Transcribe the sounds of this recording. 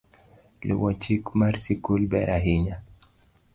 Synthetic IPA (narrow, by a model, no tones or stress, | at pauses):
lḭwɔt͡ʃikmaɾsikulbɛɾʔaɦiɲa